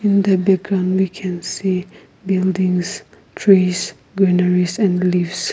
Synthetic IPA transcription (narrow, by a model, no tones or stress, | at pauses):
ĩnd̪əbɛk̚ɡɹãʊ̃ndwikʰɛ̃nsi | bɪldɪ̃ŋs | tʰɹis | ɡɹɛnəɹisɛ̃ndlivs